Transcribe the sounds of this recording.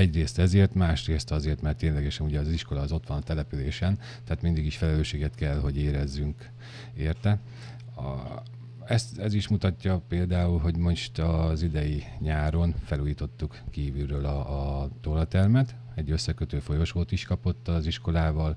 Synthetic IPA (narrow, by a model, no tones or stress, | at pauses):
ɛɟreːst̪ɛzeːrt̪maːʃreːst̪ɒzeːrt̪mɛrt̪ːeːnlɛɡɛʃɛnuɟɛːziʃko̞lɒːzo̞t̪ʋɒnɒt̪ɛlɛpyleːʃɛn | t̪ɛaːt̪mind̪iɡiʃfɛlɛløːʃeːɡɛt̪kɛlɦo̞ɟeːɾɛzːyŋk | eːrt̪ɛ | ɛst̪ɛziʃmut̪ɒcːɒpeːld̪aːulɦo̞ɟmo̞ʃt̪ɒzid̪ɛjiɲaːɾo̞nfɛluːjiːt̪o̞t̪ːukkiːvyløːlɒːt̪olɒt̪ɛrmɛt̪ | ɛɟːø̞sːɛkøt̪øːfo̞jo̞ʃoːt̪iʃkɒpo̞t̪ːɒziʃko̞laːvɒl